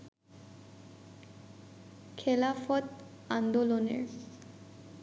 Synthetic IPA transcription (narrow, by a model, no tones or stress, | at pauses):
kʰelafɔt̪ | and̪olonḛɾ